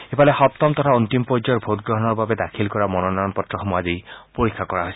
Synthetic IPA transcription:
epalexɔp̚t̪ɔmt̪ɔt̪ʰaunt̪impɔd͡ʒɔɹbʱot̪̚ɡɹɔɦɔnɔɹbabed̪akʰilkɔɹamɔnɔnaɔnpɔt̪ɹɔxɔmuad͡ʒijpoɹikʰːakɔɹaɦojsi

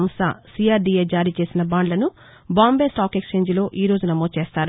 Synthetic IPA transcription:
msa̰sijaːɾɖieːd͡ʒaːɾiːt͡ʃe̞ːsinɐbaːɳɖlɐnu | baːmbe̞ːsʈaːkekst͡ʃe̞ːɲd͡ʒlo̞ːʔiːɾo̞ːd͡ʒunɐmoːt͡ʃe̞ːst̪aːɾ

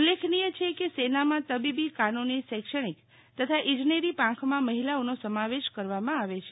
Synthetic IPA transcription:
ulːekʰnijət͡ʃʰekesenamãt̪əbibikanonisɛkʃəɳ̃ik | t̪ət̪ʰaʔĩd͡ʒneɾipãkʰmãməɦilaonosəmaʋeʃkəɾʋamãaʋet͡ʃʰe

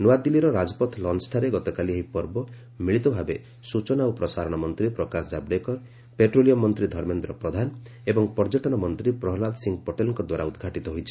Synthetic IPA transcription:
nuad̪iliɾɔɾad͡ʒɔpɔt̪ʰlɔnsʈʰaɾeɡɔt̪ɔkalieɦipɔɾbɔ | miɭit̪ɔbʱabe | sut͡ʃɔnaupɾɔsaɾɔɽ̃ɔmɔnt̪ɾipɾɔkasd͡ʒabɾekɔɾ | peʈɾolijɔmːɔnt̪ɾid̪ʱɔɾmend̪ɾɔpɾɔd̪ʱan | ebɔŋpɔɾd͡ʒɔʈɔnɔmɔnt̪ɾipɾɔɦlald̪siŋɡpɔʈelɔŋkɔd̪waɾaud̪ɡʱaʈit̪ɔɦojt͡ʃʰi̥

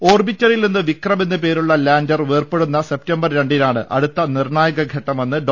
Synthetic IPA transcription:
o̞ːrbitːɐɾilninːɨʋikrɐmenːɨpe̞ːɾuɭːɐlaːndɐrʋeːrpe̞ɽunːɐse̞p̚tɐmbɐrɾeɳɖinaːɳɨ̰ʔɐ̰ɽut̪ːɐnirɳaːjɐɣɐɡʱɐʈːɐmenːɨɖ

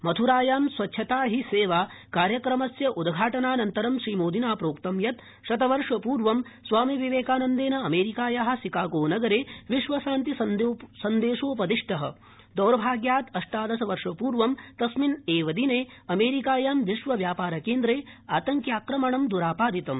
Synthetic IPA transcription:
mɐt̪ʰuɾaːjaːmsʋɐtːʃʰɐt̪aːɦiseːʋaːkaːɾjɐkɾɐmɐsjɐʔud̪ɡʱaːʈɐnaːnɐnt̪ɐɾɐmʃɾiːmoːd̪inaːpɾoːkt̪ɐmjɐt̪ | ʃɐt̪ɐʋɐɾʂɐpuːɾʋɐmsʋaːmiʋiʋeːkaːnɐnd̪eːnɐɐmeːɾikaːjaɦɐ̆sikaːɡoːnɐɡɐɾeːʋiʃʋɐʃaːnt̪isɐnd̪eːʂoːpɐd̪iʂʈɐɦɐ̰ | d̪ɐwɾɐbʱaːɡjaːt̪ɐʂʈaːd̪ɐsɐʋɐɾʂɐpuːɾʋɐmt̪ɐsmineːʋɐd̪ineːɐmeːɾikaːjaːmʋiʃʋɐʋjaːpaːɾɐkeːnd̪ɾeːaːt̪ɐŋkjaːkɾɐmɐɳɐmd̪uɾaːpaːd̪it̪ɐm

